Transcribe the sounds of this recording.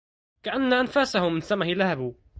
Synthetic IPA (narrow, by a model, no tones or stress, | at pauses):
kaʔanːaʔanfasahʊmːɪnsamahɪlahabu